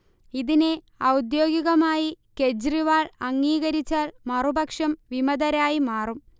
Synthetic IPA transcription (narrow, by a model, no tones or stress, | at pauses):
iðine | ɐwud̪jo̞ːɡiɣɐmaːjike̞d͡ʑriʋaːɭɐŋːiːɣɐɾit͡ɕːaːlmɐrubɐkʂɐmʋimɐðɐɾaːjimaːrum